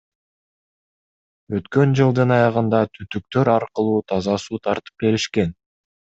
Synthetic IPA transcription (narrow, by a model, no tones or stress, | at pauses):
ø̞t̪kø̞nd͡ʒɯlˠd̪ɯnɑjɑʁɯnd̪ɑt̪ʰyt̪yk̚t̪ø̞ɾɑɾqɯlˠuːt̪ʰɑzɑsuːt̪ʰɑɾt̪ɯ̥p̚ke̞ɾiʃke̞n